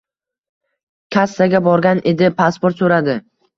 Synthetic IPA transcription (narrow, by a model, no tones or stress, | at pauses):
kʲʰasːaɡʲabɒɾɡʲanʔe̞d̪ɪpʰaspoɾt̪sɵɾad̪ɪ